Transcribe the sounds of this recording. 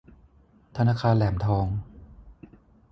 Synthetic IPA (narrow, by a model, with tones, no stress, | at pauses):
t̪ʰa˧naː˧kʰaː˧nlɛː˩˦mt̪ʰɔː˧ŋ